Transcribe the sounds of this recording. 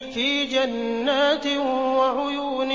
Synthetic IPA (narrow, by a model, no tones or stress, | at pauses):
fiːd͡ʒanːaːt̪ɪwaʕʊjuːn